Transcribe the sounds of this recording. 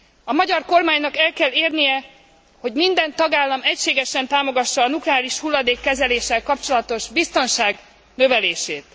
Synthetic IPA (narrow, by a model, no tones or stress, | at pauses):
ɒmɒɟɒrko̞rmaːɲnɒkɛlkɛlːeːrnijɛ | ho̞ɟmind̪ɛnt̪ɒɡaːlːɒmɛcʃeːɡɛʃɛnt̪aːmo̞ɡɒʃːɒːnuklɛaːliʃhulːɒd̪eːkːɛzɛleːʃːɛlkɒp̚t͡ʃolɒt̪o̞ʒbist̪o̞nʃaːɡ | nøvɛleːʃeːt̪